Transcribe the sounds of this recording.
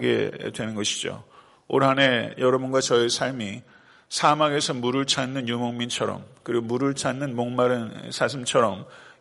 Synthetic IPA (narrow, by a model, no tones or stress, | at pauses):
ɡe̞̰dwe̞nɯnɡʌɕʰid͡ʑo̰ | oɾɦane̞jʌɾʌbunɡwat͡ɕʌesʰaɭmi | sʰamaɡe̞sʰʌmuɾɯɭt͡ɕʰanːɯnjumoŋmint͡ɕʰʌɾʌ̰mkɯɾiɡomuɾɯɭt͡ɕʰanːɯnmoŋmaɾɯnsʰas̬ʰɯmt͡ɕʰʌɾʌm